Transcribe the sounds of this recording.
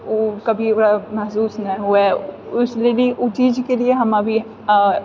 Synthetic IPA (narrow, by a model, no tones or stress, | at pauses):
oːkɐbʱioɽamɐɦsuːsnɐ̃ĩɦʊeʊsleliʔʊt͡ʃiːd͡ʒkelieɦɐmɐbʱi